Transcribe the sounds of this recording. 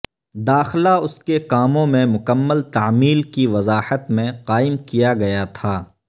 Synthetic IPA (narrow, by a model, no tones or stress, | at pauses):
d̪aːxlaʊskekaːmõmẽmʊkəmːəlt̪aːmiːlkiʋɐzaːħət̪mẽqaːɪmkijaɡɐjat̪ʰaː